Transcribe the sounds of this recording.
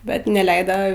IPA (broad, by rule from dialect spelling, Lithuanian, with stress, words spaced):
ˈbʲɛt nʲɛˈlʲɛɪdɐ